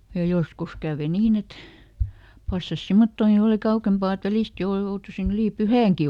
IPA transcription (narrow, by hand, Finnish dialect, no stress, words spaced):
jɑ joskus kæˑʋe niːn et pɑsːɑs simːotːoːŋki oli kɑukempɑˑ et ʋælist jouru joutusin yliˑ pyhæˑŋki